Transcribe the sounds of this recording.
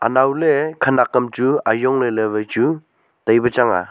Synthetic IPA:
a̰nawlekʰanakɐmtuajɔŋleleβejt͡ʃu | tajbɐt͡ʃaŋa̰

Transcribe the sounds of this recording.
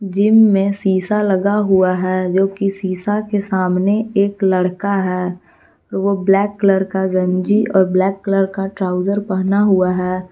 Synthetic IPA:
d͡ʒɪmːẽsiːsalɐɡaɦuaɦɛːd͡ʒoːkisiːsakesaːmneeːkləɽkaɦɛː | ɔːɾʋoblɛːkːləɾkaɡə̃ɲd͡ʒiʔɔːɾblɛːkːləɾkaʈɾaːʊd͡ʒəɾpɛɦnaɦuaɦɛː

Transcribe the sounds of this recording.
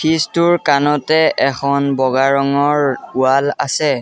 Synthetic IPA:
tʰistuɹkanɔtɛɛxʰɔnbɔɡaɹɔŋɔɹualasɛ

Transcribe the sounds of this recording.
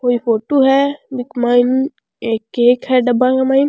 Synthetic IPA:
koːipʰoːʈoɦɛbɪkmaɪn | eːkeːkhɛɖɐbːakamaːin

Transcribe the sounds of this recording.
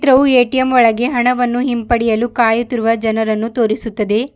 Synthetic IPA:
t̪ɾɐʋueːʈijɐmɔɭɐɡe̞ɦɐɳɐʋɐnːuɦimpɐɽijɐlukaːjut̪iɾuʋɐd͡ʒɐnɐɾɐnːut̪oːɾisut̪ːɐd̪e̞

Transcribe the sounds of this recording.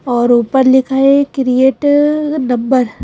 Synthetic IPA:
ɔːɾuːpəɾlɪkʰaːekɾijeːʈnɐ̃mbəɾ

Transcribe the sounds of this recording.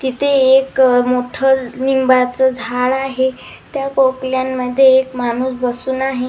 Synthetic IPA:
t̪it̪ʰeːkmoʈʰənimbat͡səd͡zʱaɭaɦe | t̪jakokljamːəd̪ʱːjeːkmanuːsbəsuːnaɦe

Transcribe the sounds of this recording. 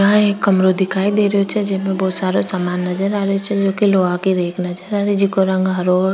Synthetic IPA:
aeːkːəmɾoːd̪ʱikaːid̪eːɾeot͡ʃʰɛd͡ʒɪsmẽbɔːt̪saːɾosaːmaːnːɐd͡ʒəɾaːɾeot͡ʃʰɛd͡ʒoːkiloːakiɾeːkʰnɐd͡ʒəɾaːɾed͡ʒikoɾə̃ŋɡɦɐɾoː

